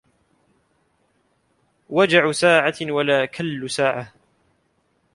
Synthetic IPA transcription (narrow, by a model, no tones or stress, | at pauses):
wad͡ʒaʕsaːʕawalaːkʰalːsaːʕa